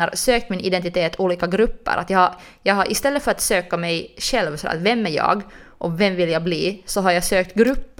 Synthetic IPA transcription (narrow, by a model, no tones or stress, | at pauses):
əɾsøːkt̪mɪnɪd̪ɛnt̪ɪt̪ʰeːt̪ʰuːliːkaɡɾɵpːə̰ɾʔat̪jɑha | jɑːɡhaɾʔɪst̪ɛlːətfœɾat̪søːkamɛjɕɛlvsɔɛ̰vɛmːæɾjɑ̰ːɡʔɔvɛmːvɪlːjabliːsɔɦaɾjasøːk̚t̪ɡɾʉpː